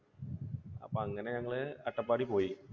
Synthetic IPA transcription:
ɐ̰pːoɐŋːɐne̞ɲɐŋːɐɭɨɐʈːɐpːaːɽipo̞ːji

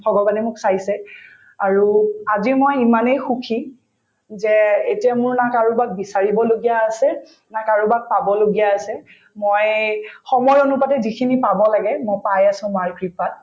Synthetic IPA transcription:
bʱɔɡɔbanɛmʊksajsɛ | aɹuazimojimanejxukʰi | zɛetiamʊɹnakaɹubak̚bisaɹibɔloɡijaːsɛ | nakaɹubak̚pabɔloɡijaːsɛ | mojxɔmɔjonupatɛzikʰinipabɔlaɡɛmojpajasʊ̃maɹkɹipat̚

